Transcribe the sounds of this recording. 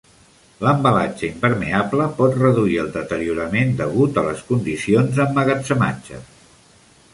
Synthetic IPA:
ləmbəlad͡ʒəimpəɾmeabləpɔt̪rəðuiəlˠd̪ət̪əɾiuɾəmend̪əɣut̪ələskund̪isionzəmːəɣəsəma̰d͡ʒə̰

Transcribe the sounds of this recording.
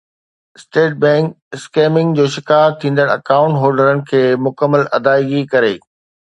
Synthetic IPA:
ɪsʈeːʈ̚bɛ̃ːŋk | ɪskeːmɪ̃ŋɡd͡ʑoːʃɪkaːt̪ʰːĩːnd̪əɽɐ̰kaːʊ̃ɳʈɦoːɾɖəɾənɪ̆kʰeːmʊkəmːəlɐd̪aːiɡikɐɾḛː

